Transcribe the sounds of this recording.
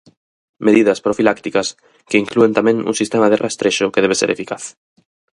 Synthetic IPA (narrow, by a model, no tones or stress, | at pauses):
meðiðaspɾofilakt̪ikas | keiŋkluent̪amẽŋṵŋsist̪emaðerʔaest̪ɾeʃokeðeβesḛɾefikaθ